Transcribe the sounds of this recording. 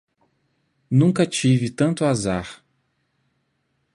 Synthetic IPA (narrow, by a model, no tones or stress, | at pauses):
nũŋkɐt͡ʃivɪt̪ɐ̃nt̪ʊazaɾ